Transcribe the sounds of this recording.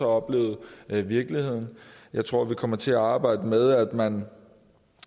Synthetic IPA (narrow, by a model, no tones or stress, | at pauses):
ɒɒ̽b̥le̝̰ːʊð̩ˠʋiɐɡ̥lihe̝ð̰ˠn̩jɑ̈ɪt͡sʰʁo̝ɐ̰ʋikʰɒ̽mɐt͡sʰe̝æɑ̈ːb̥ɑ̈ɪ̰d̥əmeð̞ˠæd̥mæn